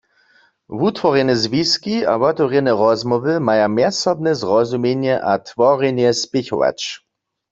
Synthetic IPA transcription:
vut̪ʋɔʁjɛnɛzʋiskia̰vɔt̪ɔʁjɛnɛʁɔzmɔʋɨmajamjɛsɔbnɛzʁɔzumjɛɲjɛʔat̪ʋɔʁɛɲjɛspɪçɔ̰ʋa̰t͡ʃ

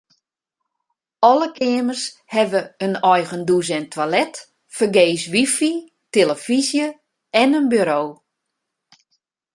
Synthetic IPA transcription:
ɔləkʰɪəmərshɛʋəənɔjɣənduzɛntʰwalɛt | fərɡeːsʋifi | teləfizjə | ɛnənbyɾoː

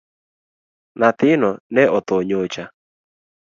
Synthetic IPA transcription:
nat̪ɪnɔnɛɔt̪oɲot͡ʃa

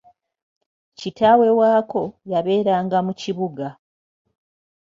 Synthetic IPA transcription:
citawe̞waːko̞jaβe̞ːɾaːŋɡamuciβuɡa

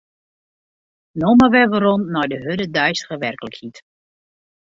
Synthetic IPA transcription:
noməʋɛʋərɔnːɔjdəɦødədœjstə̥ɣəʋɛrkələkhit

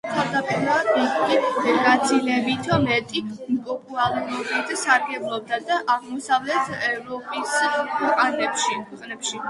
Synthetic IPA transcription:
t̪ʰavd̪apʼiɾmaitɡʼiɡat̪sʰilɛbit̪ʰɔmɛt̪ʼimkʼɔpʼualˠuɾɔbit̪saɾɡɛblˠɔb̚d̪ad̪aʔaʁmɔsavlɛt̪ʰɛvɾɔpʼiskʰwɛqʼanɛpʃikʰwɛqʼnɛpʃi

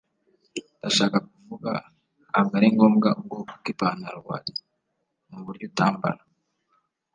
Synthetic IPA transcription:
ndaʃaːkak̚uvuɡa̰ | haŋɡaɾiŋɡo̞ːmɡauɡoku̥kipaːnaɾwa̰ːɾi | muβuɾɟuːtaːmba̰ɾa

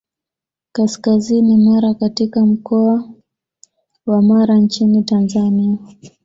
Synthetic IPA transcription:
kaskazinimaɾakatikam̩kɔa | wamaɾant͡ʃinitanzania

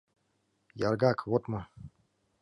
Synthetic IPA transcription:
jarɡakʰvot̪mɤ

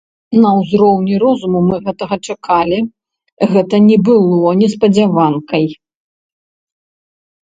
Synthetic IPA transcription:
nɐwzɾɔwnʲiɾɔzumumɨɣɛt̪ɐɣɐt͡ʂakʰalʲi | ɣɛt̪ɐnʲɛbɨlˠɔnʲɛspɐd͡zʲavankɐj

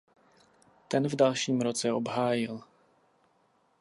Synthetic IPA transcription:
t̪ɛnvdalʃiːmɾot͡sɛobɦaːjɪl

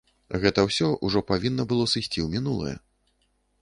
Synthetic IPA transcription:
ɣɛt̪ɐwsʲɔʔuʐɔpavʲinːɐbɨlˠɔsɨsʲt͡sʲiwmʲinulˠɐ̰jɛ̰

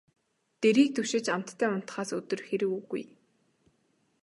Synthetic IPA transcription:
t̪eɾiːk̚t̪ʰɵʃɪ̆t͡ɕam̥t̪ʰːæːʊn̥t̪̆χaːsɵt̪ɵ̆rxeɾɘ̆kuɣṵj

